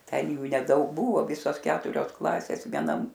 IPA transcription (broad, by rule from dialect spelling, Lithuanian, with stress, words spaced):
ˈtʲɛn ˈjuː nʲɛˈdɐʊk ˈbuːʋoː ˈʋʲɪsoːs ˈkʲæːtʊrʲoːs ˈklˠɑːsʲeːs ʋʲiɛˈnɐm